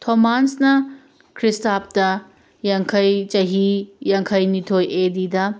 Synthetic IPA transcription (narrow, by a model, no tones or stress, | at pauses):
tʰomansnɐ | kʰɾistap̚tɐ | jaŋkʰɐjt͡ʃɐɦijaŋkʰɐjnitʰojedidɐ